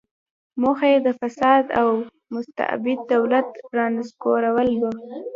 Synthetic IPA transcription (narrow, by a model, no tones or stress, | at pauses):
moxajed̪əfasɑd̪aw | mʊst̪a̰bɪd̪̚ːawlat̪ɾɑnɪskoɾawəlbə